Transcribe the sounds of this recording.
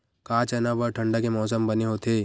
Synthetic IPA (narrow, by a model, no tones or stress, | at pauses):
kãːt͡ʃɐnabɔɾʈʰə̃ɳɖakemɔːs̬əmbɐneɦot̪ʰeː